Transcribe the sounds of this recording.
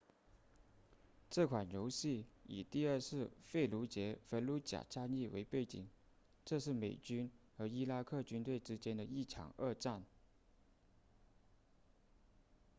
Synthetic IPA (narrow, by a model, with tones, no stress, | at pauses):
ʈ͡ʂɤ˥˩kʰwa˨˩nɻjo˧˥ʊɕi˥˩i˨˩t̪i˥˧ə˞˥˧ʂɻ̩˥˧fe˥˩ɪlu˧˥t͡ɕjɛ˧˥fə˧˥nlu˧˥t͡ɕja̰˨˩t͡ɕʰa˥˧ni˥˩wḛ˧˥ɪpe˥˩ɪt͡ɕḭ˨˩˦ŋ | ʈ͡ʂɤ˥˧ʂ̬ɻ̩˥˩me˨˩ɪt͡ɕy˥nxɤ˧˥i˥la˥kʰɤ˥˩t͡ɕy˥nt̪we˥˩ɪʈ͡ʂɻ̩˥t͡ɕjɛ˥nd̪ə˨i˥˩ʈ͡ʂʰɑ̰˨˩ŋə˥˧ʈ͡ʂa˥˩n